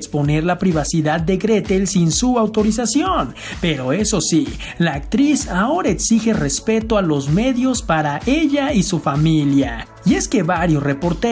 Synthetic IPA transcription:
kspo̞ne̞ɾlapɾiβasiðaðːe̞ɣɾet̪elsinsuawt̪o̞ɾis̬asjo̞n | pe̞ɾo̞e̞so̞si | laːk̚t̪ɾisao̞ɾaeksixe̞re̞spe̞t̪oalo̞zme̞ðjo̞spaɾaʔe̞ʎaisufamilja | ie̞ske̞βaɾjosre̞po̞ɾt̪e

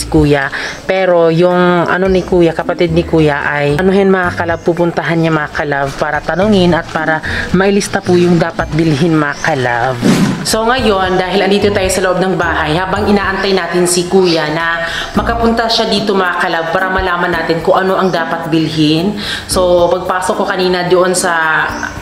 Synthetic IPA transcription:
ɪkuːjɐpɛːɾo̞jʊŋʔɐ̰no̞nɪkuːjɐkɐpɐt̪id̪̚nɪkuːjɐʔajnoɦɛnmɐŋakɐlab̚puːpʊnt̪ɐɦanɲamɐŋakɐlavpaːɾɐt̪ɐnʊŋɪnɐt̪̚paːɾɐmɐʔɪlɪst̪ɐpʊjʊŋd̪aːpɐt̪̚bɪlɦɪnmɐŋakɐlavso̞ŋɐjo̞nd̪aːɦɪlʔɐnd̪iːt̪ot̪aːjosɐloʔob̚nɐŋbaːhɐjhaːbɐŋʔɪnaːʔɐnt̪ajnaːt̪ɪnsɪkuːjɐnɐ | mɐɡkɐpʊnt̪ɐʃad̪iːt̪o̞mɐŋɐkɐlab̚paːɾɐmɐlaːmɐnːaːt̪ɪnkʊŋʔɐno̞ʔɐŋd̪aːpɐt̪̚bɪlhɪn | so̞pɐɡ̚paːsokːokɐniːnɐd̪oʔo̞nsɐ

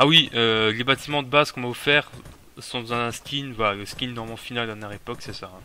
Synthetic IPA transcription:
awiølebat̪imɑ̃d̪əbazkɔ̃maɔfɛːʁ | sɔ̃d̪ɑ̃zɛ̃ɛ̃skʲinvwalaləskʲinːɔʁmɑ̃finald̪ɛnjɛʁepɔksɛsaɛ̃

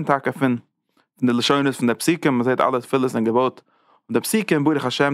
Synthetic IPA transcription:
ntakəfɪn | fɪndɪlˠəʃoɪnəsfɪndɪpsiːkənməzeɪta̰lˠətfɪlˠəsɪnɡəvoʊt | ʊndɪpsiːkəmbuːɾəχaʃɛm

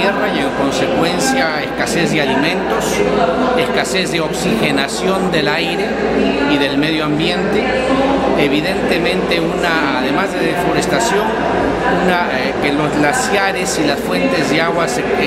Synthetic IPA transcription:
erajeŋko̞nsekwe̞nsjaeskasezðealimẽnt̪o̞seskase̞zðeo̞ksixe̞nasjo̞nd̪e̞lajɾe | iðe̞lmeð̞joambje̞nt̪e | eβiðent̪e̞mẽ̞nt̪e̞una | aðemazðeðefo̞ɾest̪asjo̞n | una | kelo̞zɣlasjaɾesilasfwe̞nt̪e̞zðeaɣwase

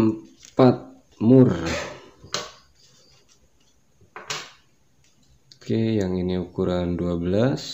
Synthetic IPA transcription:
mpat̪̚ | mur | kejaŋiniukuɾanduabəlas

